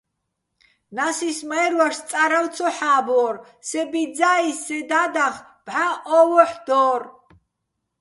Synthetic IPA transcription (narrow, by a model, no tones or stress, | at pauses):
nasismaɛɾwaʃt̪t͡s̪ʼaɾawt̪t͡sʰɔħaːbɔɾ | sɛbid̪d͡zaːisːɛd̪ad̪aχ | b̥ħaʔɔːvɔħd̪̥ɔːɾ